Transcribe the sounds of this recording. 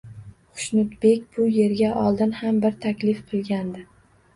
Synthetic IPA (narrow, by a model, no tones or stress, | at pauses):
qʰʊ̥ʃnʊt̪be̞kʲb̥ʊje̞ɾɡʲaʔɒlˠd̪ɪnhambɪɾt̪ʰakʲlɪfqʰɨlˠɡʲand̪ɪ